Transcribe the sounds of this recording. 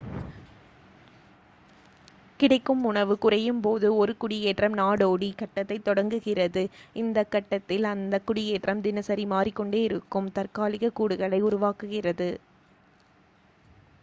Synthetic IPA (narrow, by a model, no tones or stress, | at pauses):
kɪɽɐɪkːɯmʊɳɐʋɯkʊrɐjɯmpoːðɯɔɾɯkʊɽɪjeːʈrɐmnaːɽoːɽikɐʈːɐt̪ːɐɪt̪ːɔɽɐŋɡɯɣɪrɐðɯɪnd̪ɐkːɐʈːɐt̪ːɪlɐnd̪ɐkʊɽɪjeːʈrɐmd̪ɪnɐsɐɾimaːrikːɔɳɖeːɪɾɯkːɯmt̪ɐrkaːlɪɣɐkuːɽɯɣɐɭɐɪʊɾʊʋaːkɯɣɪrɐðɯ